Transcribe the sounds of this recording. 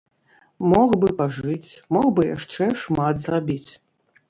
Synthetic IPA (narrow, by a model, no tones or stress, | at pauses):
mɔxbɨpaʐɨt͡sʲmɔxbɨja̰ʂt͡ʂɛʂmat̪zrabʲit͡sʲ